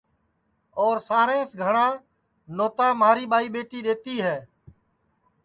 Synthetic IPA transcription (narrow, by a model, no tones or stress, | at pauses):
oːɾsaːɾẽːsɡʱəɳãː | noːt̪ãːmaːɾiːɓaːiːɓeːʈiːɗeːt̪iːɦɛː